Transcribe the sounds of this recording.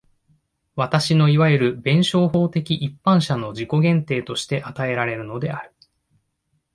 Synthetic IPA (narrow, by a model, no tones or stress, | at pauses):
βat̪aɕino̞iβaeɾɯ̟bẽ̞ɰ̃ɕo̞ːɦo̞ːt̪e̞kʲiʔipːãɰ̃ɕano̞d͡ʑiko̞ɡẽ̞nt̪e̞ːt̪o̞ɕi̥t̪e̞ʔat̪ae̞ɾaɾe̞ɾɯ̟no̞d̪e̞aɾɯ̟̥